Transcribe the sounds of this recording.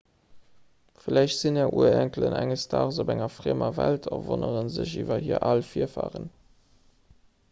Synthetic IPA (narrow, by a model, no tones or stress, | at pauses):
filæɪɕtz̥inɛːʔuːɐæŋkələnæŋəstʰɑːʁzobæŋɐfʁemɐvæltʰɐvonəʁənzəɕivɐhiːɐʔɑlfiːɐfaːʁən